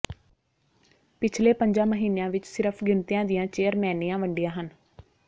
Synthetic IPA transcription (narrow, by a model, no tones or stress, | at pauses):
pɪt͡ʃʰleːpəɲd͡ʒãːməɦiːneãːʋɪt͡ʃsɪɾəpʰɡɪnt̪ijãːd̪ɪjãːt͡ʃeːəɾmɛːniːjãːʋəɳɖijãːɦən